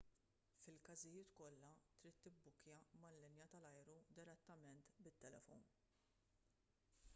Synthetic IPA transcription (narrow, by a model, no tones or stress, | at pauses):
fɪlkɐzɪjɪːt̪kɔlːɐt̪ɾiːt̪ːɪbːʊkjɐmɐlːɪnjɐt̪ɐlɐjɾud̪ɪɾɛt̪ːɐmɛnt̪bɪt̪ːɛlɛ̰fɔ̰n